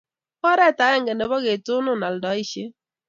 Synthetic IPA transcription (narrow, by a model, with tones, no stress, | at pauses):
kɔ˦ɾɛ˦ta˨˦ɛ˦ŋɡe˨ne˨bɔ˦ɡe˨tʊ˦nʊ˦na˨ldɔ˨˦i˦˨ʃe˦